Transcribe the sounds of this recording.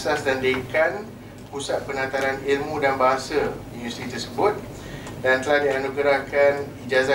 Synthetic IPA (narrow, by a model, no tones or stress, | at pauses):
sasdandekan | pusat̪̚pənat̪aɾanilmũdanbaɦasəindust̪ɾit̪ərsəbʊt̪̚ | dant̪əlahdianukəɾakanid͡ʒaza